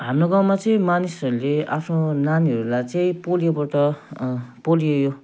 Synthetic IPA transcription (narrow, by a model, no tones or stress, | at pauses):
ɦamnoɡaw̃mat͡sʌĩmanisʌɾuleapʰnonaniɦʌɾulajt͡sʌĩpolijobʌʈʌ | polijejo